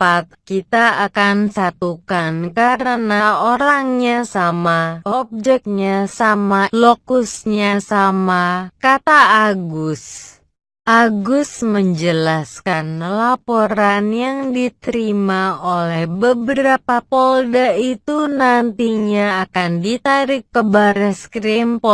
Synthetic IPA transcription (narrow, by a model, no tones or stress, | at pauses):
pat̪̚kit̪aakansat̪ukankaɾənaoɾaŋɲasamaɔb̚d͡ʒɛk̚ɲasamalokusɲasamakat̪aaɡus | ʔaɡusməɲd͡ʒəlaskanlapoɾanjaŋdit̪əɾimaolɛhbəbəɾapapɔldait̪unant̪iɲaːkandit̪aɾɪkːəbaɾɛskɾimpɔ